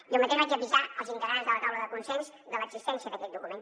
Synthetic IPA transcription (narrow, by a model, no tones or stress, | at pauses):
jomət̪enad͡ʒəβizaəlˠziŋt̪əɾanzðələt̪awləðəkunsɛʎz | ðələɡzist̪ɛnsiəðəkɛt̪̚d̪ukumen